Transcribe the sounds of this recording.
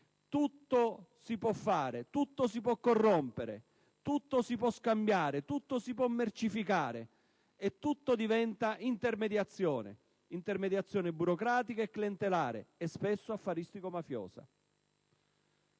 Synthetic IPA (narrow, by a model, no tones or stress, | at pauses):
t̪ut̪ːosipwɔfːaːɾɪt̪ut̪ːosip̬wɔkːorːɔmpeɾɪ̰ | t̪ut̪ːosip̬wɔskambjaːɾɪt̪ut̪ːosipwɔmːert͡ʃifikaːɾɪ | ɛt̪ːut̪ːod̪ivɛnt̪aʔint̪ermed̪jat̪sːjɔːnɪ̰ | int̪ermed̪jat̪sːjɔːnɪbuɾokɾaːt̪ikaekːliɛnt̪elaːɾɪ̰ɛspesːoafːaɾist̪ikomafjɔ̰ːsa̰